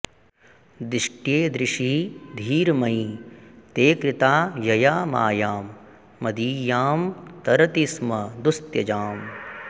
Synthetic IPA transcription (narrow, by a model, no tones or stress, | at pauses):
d̪ɪʂʈjeːd̪ɾɪʂiːd̪ʱiːɾmɐit̪eːkɾɪt̪aːjɐjaːma̰ːjaːmː | ɐd̪iːjaːmt̪ɐɾɐt̪ismɐd̪ust̪jɐd͡ʒaːm